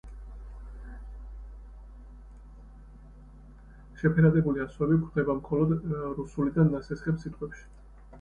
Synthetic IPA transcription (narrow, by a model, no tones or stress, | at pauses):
ʃɛpʰɛɾad̪ɛbuliasvɛbikʰɾd̪ɛbamχɔlɔd̪ɾusulid̪anːasɛsχɛmsit̪ʼqʼwɛpʃi̥